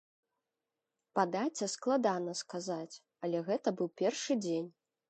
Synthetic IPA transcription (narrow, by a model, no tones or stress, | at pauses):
pad̪at͡sʲːɐsklˠad̪anɐskazat͡sʲ | ɐlʲɛɣɛt̪ɐbɨwpʲɛrʂɨd͡zʲenʲ